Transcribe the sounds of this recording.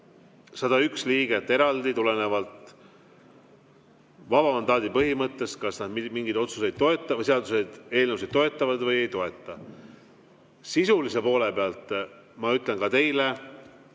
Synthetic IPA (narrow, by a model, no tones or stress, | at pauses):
sɑd̪̥ɑyksliːɡ̥et̪ːe̞ɾɑld̪it̪ule̞ne̞vɑlt̪ | vɑb̥ɑmɑnd̪ɑːd̪̥ipɤɦimɤt̪ːˑe̞skɑsnɑd̪mimiŋɡid̪̥o̞t̪suse̞jd̪̥̚t̪o̞e̞t̪ˑːɑseɑd̪use̞d̪̥e̞ːlnevused̪̚t̪ːo̞e̞t̪ːˑɑvɑd̪̥vɤje̞jt̪o̞e̞t̪ˑːɑ | sisulise̞po̞ːle̞peɑlt̪ˑ | mɑyt̪ˑle̞nkɑt̪e̞jle